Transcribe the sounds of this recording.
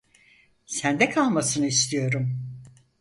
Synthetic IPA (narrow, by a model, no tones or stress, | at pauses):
sænd̪ɛkʰalˠmasɯnɯist̪ʰijo̞ɾum